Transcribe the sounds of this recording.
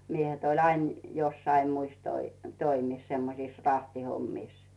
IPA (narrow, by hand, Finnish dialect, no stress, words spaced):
miehet olʲ ɑin josːɑi muis toi toimis semːosiˑs rɑhtihomːiˑs